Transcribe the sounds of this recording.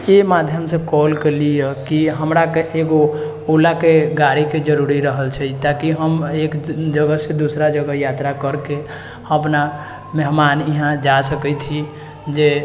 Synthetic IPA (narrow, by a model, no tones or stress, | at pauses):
emad̪ʱjəmsekɔlkelijəkiɦəmɾakeʔeɡo | ulakeɡaɾiked͡ʒəɾuɾiɾəɦəlt͡ʃʰɛt̪akiɦəmekd͡ʒəɡəsed̪usɾad͡ʒəɡəjat̪ɾakəɾke | əpna | mɛɦmaniɦãd͡ʒasəkəjt̪ʰi | d͡ʒe